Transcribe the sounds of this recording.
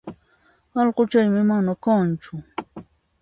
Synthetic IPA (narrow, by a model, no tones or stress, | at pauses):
ɑʎɢot͡ʃajmɪmanakant͡ʃʊ